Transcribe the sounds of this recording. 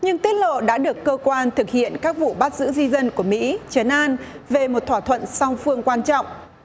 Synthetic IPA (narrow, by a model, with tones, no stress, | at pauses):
ɲɨ˧ŋt̪i˦˥t̚lo̰˧˨ɗa̰ː˧˥ɗɨ˨˩əkːəː˧kwaː˧nt̪ʰɨ˨˩k̚hḭ˧˨ənkaː˦˥k̚vṵ˧˨ɓaː˦˥t̚zɨ̰˧˥zi˧zə˧nku˧˩əmḭ˧˥t͡ɕə˨˦nʔaː˧n | ve˨˩mo˨˩t̚t̪ʰwːt̪ʰwə̰˧˨nsa˧wŋ͡mfɨ˧əŋkwaː˧nt͡ɕɔ̰˧˨wŋ͡mʔ